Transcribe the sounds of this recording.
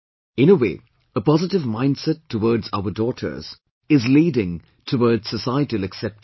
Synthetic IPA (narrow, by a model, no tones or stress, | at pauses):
ɪ̃nəweː | əpɑzɨtɨvmãɪ̃ndsɛtʰːəwɔɹdzaʊə˞dɔːtʰə̰˞z̥ | ɪzliːdɪ̃ŋ | tʰəwɔɹdz̥səsaɪətiəlɨksɛp̚t